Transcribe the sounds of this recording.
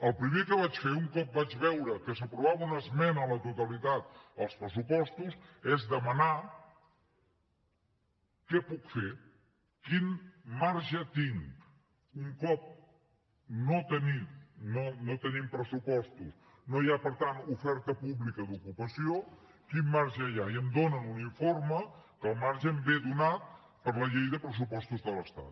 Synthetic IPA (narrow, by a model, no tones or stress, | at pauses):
əlˠpɾimekəβat͡ʃfeuŋkɔp̚bad͡ʒβɛwɾəkəsəpɾuβaβəunəzmɛnəːlət̪ut̪əlit̪at̪̚əlˠspɾəsupɔst̪uzezd̪əməna | kɛpukfe | kinmaɾʒət̪iŋ | uŋkɔp̚ | not̪ənimnonot̪ənimpɾəsupɔst̪us | nojapəɾt̪anufɛɾt̪əpuβlikəd̪ukupəsio | kimːaɾʒəjaiəmd̪onənuniɱforməkəlˠmaɾʒəmbedunat̪̚ | pəɾləʎejðəpɾəs̬upɔst̪uzðələst̪a̰t̪